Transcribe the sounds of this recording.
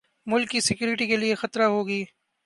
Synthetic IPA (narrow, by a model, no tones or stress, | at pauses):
mʊlkːisɪkjuːɾɪʈikeliexɐt̪ɾaɦoːɡiː